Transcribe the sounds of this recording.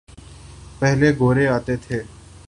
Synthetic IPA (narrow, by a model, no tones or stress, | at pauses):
pɛɦleɡoːɾeaːt̪et̪ʰeː